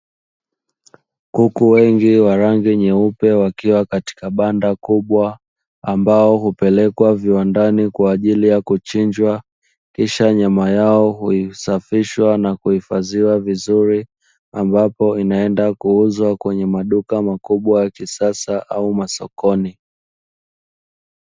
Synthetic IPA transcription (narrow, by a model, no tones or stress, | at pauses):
kukuwɛŋɡiwaɾaŋɡiɲɛupɛwakiwakati̥kaɓandakuɓwa | ambaɔɦupɛlɛkwaviwandanikwaːʄilijakut͡ʃiɲd͡ʒwa | kiʃaɲamajaɔhuisafiʃwanakuhifaziwavizuɾi | ambapɔinaɛndakuuzwakwɛɲɛmaɗukamakuɓwajakisasaʔaumasɔkɔni